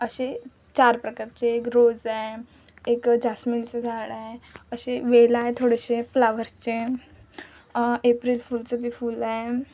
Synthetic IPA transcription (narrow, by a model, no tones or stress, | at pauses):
əɕe | t͡ɕaɾpɾəkaɾt͡ɕeːkɾod͡zaj | ekd͡ʑasmilt͡səd͡zʱaɽajəɕeʋelajt̪ʰoɽəɕeflaʋəɾt͡ɕe | epɾilfult͡səbʱifuːlaje